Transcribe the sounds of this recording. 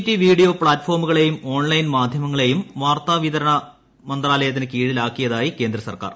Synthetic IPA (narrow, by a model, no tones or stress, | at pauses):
tːiʋiːɽijo̞ːpɭaːtːfo̞ːrmuɣɐɭe̞jumo̞ːɳlɐjnmaːd̪ʱjɐmɐŋːɐɭe̞jumʋaːrt̪aːʋiðɐɾɐɳɐ | mɐnd̪raːlɐjɐt̪ːinɨkiːɽilaːkːijɐðaːjike̞ːnd̪rɐsɐ̰rka̰ːr